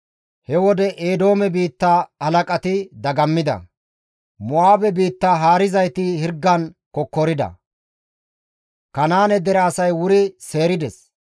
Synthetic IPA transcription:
hɛwɔd̪ɛʔeːd̪o̞ːmɛbiːt̪ːaːhɐlɐkʼɐt̪ɪd̪ɐɡɐmːɪd̪ɐ̰ | mɔaːbɛbiːt̪ːaːɦaːɾɪzɐjt̪ɪhɪɾɡːɐnkɔkːɔɾɪd̪ɐ̰ | kɐnaːnɛd̪ɛɾɛːsɐjwʊɾɪse̞ːɾɪd̪ɛs

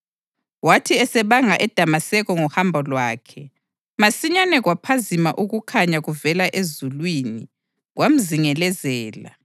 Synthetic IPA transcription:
watʰiɛsɛβaŋaʔɛd̥ʱamasɛɣɔŋuhambʱɔlwaːkʰɛ | masiɲanɛɣwapʰazimaʔuɣukʰaɲaɣuvɛlaʔezulwini | ɣwam̩ziŋɛlɛzɛːla̰

